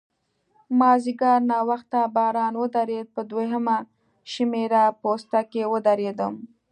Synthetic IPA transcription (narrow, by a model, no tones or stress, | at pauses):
mɑziɡɑɾnɑwaxt̪abɑɾɑnwəd̪aɾed̪̚pəd̪weɦəma | ʃimeɾapost̪akewəd̪aɾed̪əm